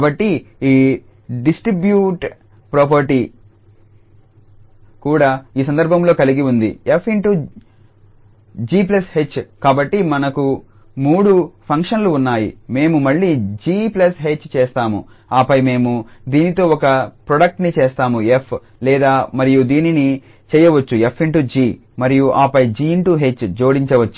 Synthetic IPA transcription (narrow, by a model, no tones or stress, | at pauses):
kabɐʈːiiː | ɖisʈɾibjuːʈ | pɾoːp̬ɐɾʈi | kuːɽaːiːs̬ɐnd̪ɐɾbʱɐmlo̞ːkɐliɡiund̪ḭepʰːiɳʈuː | d͡ʒiːp̬lɐshe̞t͡ʃːkaːbɐʈːimɐnɐku | muːɽupʰɐŋkʂɐnluːnːaːjḭme̞ːmumɐɭːiːd͡ʒiːplɐsɦet͡ʃːt͡ʃɛːst̪aːmṵ | aːpɐjme̞ːmud̪iːnit̪o̞ːɔkɐpɾoɽɐk̚ʈnit͡ʃeːst̪aːmuepʰ | lɛːd̪aːmɐɾijud̪iːnini | t͡ʃɛːjɐʋɐt͡ʃːuepʰːiɳʈud͡ʒiː | mɐɾijuʔaːpɐjd͡ʒiːɳʈuɦe̞t͡ʃːd͡ʒo̞ːɽiɲt͡ʃɐʋɐt͡ʃːu̥